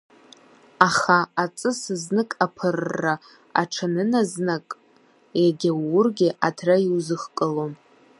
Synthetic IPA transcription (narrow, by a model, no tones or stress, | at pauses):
aχaat͡sʼɨsɨznɨkʼapʰɨrːa | a̰ʈ͡ʂʰanɨnaznakʼ | jaɡʲawʊrɡʲɪʔatʰraiwzɨχkʼɨlom